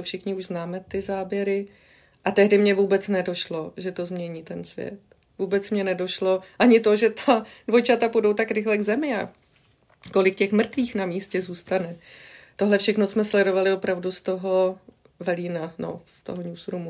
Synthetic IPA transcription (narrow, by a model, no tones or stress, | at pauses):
fʃɪxɲɪuʒznaːmɛt̪ɪzaːbjɛɾɪ | ʔat̪ɛɦdɪmɲɛvuːbɛt͡snɛdo̞ʃlo̞ʒɛt̪o̞zmɲɛɲiːt̪ɛnsvjɛ̰t̪ | vuːbɛt͡smɲɛnɛdo̞ʃlo̞ʔaɲɪt̪o̞ʒɛt̪ʰadvo̞jt͡ʃat̪apudo̞wt̪akɾɪxlɛɡzɛmɪa̰ | ko̞lɪkcɛxmr̩t̪viːxnamiːscɛzuːst̪anɛt̪o̞ɦlɛfʃɛxno̞smɛslɛdo̞valɪo̞pɾavdust̪o̞ɦo̞ | vɛliːnano̰st̪o̰ɦoɲusɾumu